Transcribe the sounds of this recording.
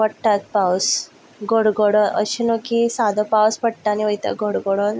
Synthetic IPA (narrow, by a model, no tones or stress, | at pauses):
pəɽʈat̪̚paws | ɡʱoɽɡoɽonʔə̰ɕinokisad̪ʱəpawspəɽʈ̪aniʋəjt̪a̰ɡʱoɽɡoɽon